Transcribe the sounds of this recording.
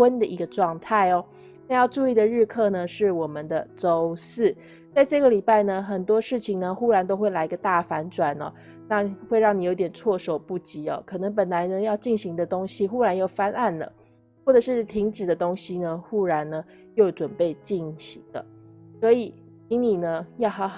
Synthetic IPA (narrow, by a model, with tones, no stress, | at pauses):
wə˦nd̪ə˨ʔi˧˥ɡə˧ʈ͡ʂwɑ˥˧ŋt̪ʰa˥˩ɪɔ˩ | na˥˧jɑ˥˧ʊʈ͡ʂu˥˧i˥˩d̪ə˨˩ɻɻ̩˥˧kʰɤ˥˧nə˩ʂɻ̩˥˩wɔ˨˩mə˨nd̪ə˨ʈ͡ʂo˦ʊsɹ̩˥˩ | t͡sa˥˧ɪʈ͡ʂɤ˥˩ɡə˩li˨˩pa˥˩ɪnə˩xə˨˩nt̪wɔ˥ʂɻ̩˥˩t͡ɕʰi˨ŋnə˨xu˥ɻa˧˥nt̪o˥ʊxwe˥˩ɪla˧˥ɪi˧ɡə˧t̪a˥˩fa˧˥nʈ͡ʂwa˨˩nɐ̰˨˦ | na˥˨xwe˥˧ɪɻɑ˥˩ŋni˨˩jo˧˥t̪jɛ˨˩nt͡sʰwɔ˥˩ʂo˨˩ʊpu˥˩t͡ɕi˧˥ɔ̰˨kʰɤ˨˩nɤ˧˥ŋp̬ə˨˩nla˧˥ɪnə˧jɑ˥˧ʊt͡ɕi˥˩nɕi˧˥ŋd̪ə˧t̪o˥ŋɕi˧xu˥ɻa˧˥njo˥˩ʊfa˥na˥˩nlə̰˩ | wɔ˥˩ʈ͡ʂɤ˨˩ʂɻ̩˥˩t̪ʰi˧˥ŋʈ͡ʂ̩˨˩d̪ə˦t̪o˥ŋɕi˧nə˧xu˥ɻa˧˥nnə˧jo˥˩ʊʈ͡ʂwə˨˩npe˥˧ɪt͡ɕi˥˩nɕi˧˥ŋd̪ə̰˨swɔ˧˦˥i˨˩ | i˧˥ŋni˨˩nə˦jɑ˥˩ʊx